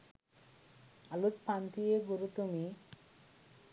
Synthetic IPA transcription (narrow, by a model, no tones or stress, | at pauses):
alut̪pant̪ijeɡuɾut̪umi